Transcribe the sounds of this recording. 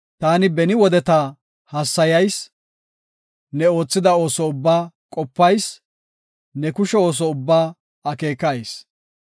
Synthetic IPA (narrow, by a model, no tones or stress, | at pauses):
t̪aːnɪbɛnɪwɔd̪ɛt̪a | hɐsːɐjɐjs | nɛo̞ːt͡sːɪd̪ɐo̞ːsɔʊbːaː | kʼɔpːɐjs | nɛkʊʃɛo̞ːs̬ɔʊbːaː | ɐke̞ːkːɐjs